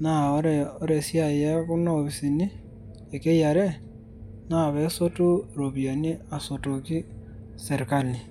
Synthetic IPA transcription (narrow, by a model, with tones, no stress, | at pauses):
na˨o˦ɾeo˦ɾe˨sja˦˨je˦ku˦noβi˨si˨ni˦ | e˨ke˦ja˨ɾe˦ | na˦˨βe˦so˦tu˦ɾo˨βja˨ni˦a˨so˨to˨ki˦ | se˨ɾka˨ni˨